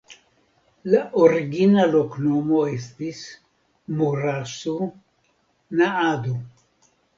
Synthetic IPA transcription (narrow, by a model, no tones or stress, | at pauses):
laʔoɾiɡinaloknomoest̪is | muɾasu | naad̪o